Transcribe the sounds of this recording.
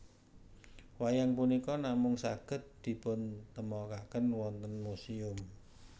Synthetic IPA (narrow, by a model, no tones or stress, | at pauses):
wajaŋpunikɔnamʊŋsaɡ̥ə̤t̪̚d̪̥i̤pʊnt̪əmɔkakənwɔnt̪ənmusiʊm